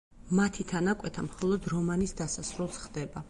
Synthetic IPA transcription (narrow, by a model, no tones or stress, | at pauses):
mat̪ʰit̪ʰanakʼwɛt̪ʰamχɔlˠɔd̪ɾɔmanisd̪asasɾulˠsχd̪ɛba